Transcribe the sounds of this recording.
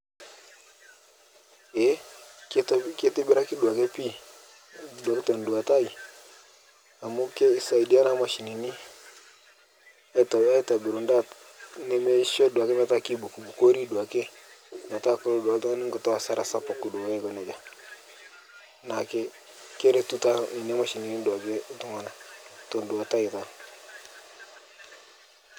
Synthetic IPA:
e˨˦ktke˦ti˦bi˦ɾa˦ki˦du˨a˨ke˦pi˦ | du˨a˨ki˦to˨n˨du˨wa˨ta˦i˨ | a˨mu˦ke˦i˨sa˨i˨di˦a˦na˦ma˨ʃi˨ni˨ni˦ | a˦˨ta˨˦a˦i˦ta˨bi˨ɾu˨nda˦˨t | ne˦me˦ʃo˦du˨a˨ke˦ma˦ta˦ki˦bu˨ku˨bu˨ko˦ɾi˦du˨a˨ke˦ | ba˨ta˦ko˦ɾo˦da˨˦tu˦ŋa˦ni˦ŋɡo˨to˦a˨sa˦ɾa˨sa˦pa˨ku˨du˨we˦ɡɔ˨ne˨d͡ʒa˨ | na˨ke˦ | ke˦ɾe˦tu˦ta˦ni˨ni˦a˦ma˨ʃi˨ni˨ni˦du˨a˨ke˦tu˦ŋa˨na˨to˨ndu˨a˨ta˦i˨ta˨

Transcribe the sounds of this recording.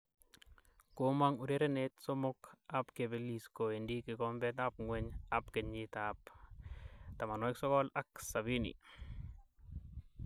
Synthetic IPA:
koma˦ŋu˨ɾe˦ɾenetso˦mʊ˦kapkebe˦lisko˨e˨ndi˦kɪ˨kɔmbɛt̪ap̚ŋweɲa˦pke˨ɲitap | ta˨ma˨nwɛ˦ksɔ˦kɔ˦la˦ksa˨bi˦nḭ˨

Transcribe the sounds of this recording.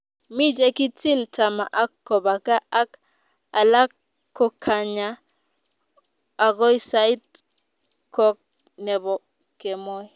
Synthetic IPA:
mi˦d͡ʒɛ˦ki˦ti˦lta˨ma̰˨ʔa˦kːɔ˨ba˨ka˦ʔa˦k | a˨la˦kː | ɔ˦kʰa˨ɲa˨ | a˨ɡɔ˦jsa˦i˦t̚ | kɔ˦k̚ | nɛ˨bɔ˨ | kɛ˨mɔ˦j

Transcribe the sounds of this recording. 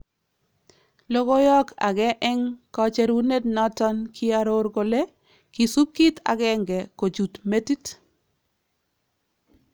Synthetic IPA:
lo˦ɡo˦jɔ˦kʰa̰˨ɡɛ˦ʔɛ˦ŋkɔ˦t͡ʃɛ˦ɾwu˦ne˦dnɔ˦tɔ˦nkʰi˦a˦ɾo˦ɾɡo˨le˦ | ki˨su˦p̚ki˦tʰa̰˨ɡɛ˦ŋɡɛ˨ko˨d͡ʒu˨tme˦ti˦t

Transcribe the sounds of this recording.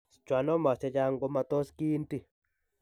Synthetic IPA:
t͡ʃwa˨nɔ˦ma˨sɛ˦d͡ʒa˦ŋɡo˦ma˨t̪o˦ski˦nti˦

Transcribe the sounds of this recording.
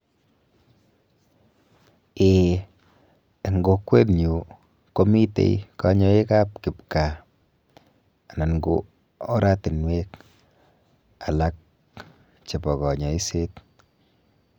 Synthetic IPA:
e˨ | ŋɡo˧kwe˦tɲu˨ | ko˦mi˦tḛ˨jka˦ɲɔ˨˦e˦ka˦p̚kɪ˨p̚ka˨ | a˨na˨nɡo̰˦ | ɔ˦ɾa˦ti˨nwe˦k | a˨la˦k̚ | t͡ʃe˨pɔ˨kɔ˨ɲɔ˨i˦se˦t

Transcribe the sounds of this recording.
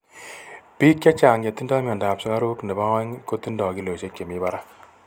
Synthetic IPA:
piː˦kja˦t͡ʃaː˨ŋja˨t̪i˦ndɔ˦mjɔ˨nda˨psɔ˦ka˦ɾu˦knɛ˨ba˦ɔ˦ŋko˦t̪i˦ndɔ˨ki˦lo˨ʃe˦kje˨mi˦ba˦ɾa˦

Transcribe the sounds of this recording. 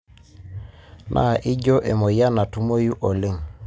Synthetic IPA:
nʔa̰˦˨ʔi˦d͡ʒo˦ʔe˨mo˨ja˦na˨tu˦mo˦ju˦ʔo˨lɪ˦˨ŋ

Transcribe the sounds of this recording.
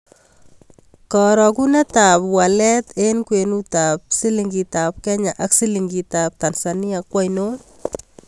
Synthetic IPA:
kɔ˨ɾɔku˦nɛ˦ta˨pwalɛ˦t̪enkwe˨nu˦ta˨p̚si˦li˨ŋɡita˨p̚kɛ˦ɲa˨ʔa˦ksi˦liŋɡi˨tap̚t̪a˨nsani˦akwa˦jno˦

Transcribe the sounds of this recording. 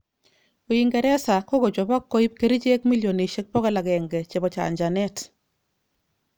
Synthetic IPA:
o˨i˨ŋɡɛ˨ɾɛ˦sa˨ko˦ɡo˨d͡ʒɔ˨ba˦kːo˦i˦p̚ke˦ɾi˦t͡ʃe˦kmi˦ljo˨ne˨ʃe˦k̚pɔ˦kɛ˦la˨ɡɛ˨ŋɡɛ˨t͡ʃe˨bɔ˨t͡ʃa̰˨ɲd͡ʒa˨nɛ˦t

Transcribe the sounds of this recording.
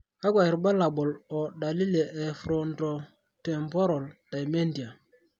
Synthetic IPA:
ka˦kʷa˨ji˨ɾba˦la˨ɓɔ˨lɔ˨ɗa˨li˦le˨ʔɛ˨fɾo˨nto˨ | tɛ˨mpo˦ɾa˨lda˨jme˦ndi˨a˨

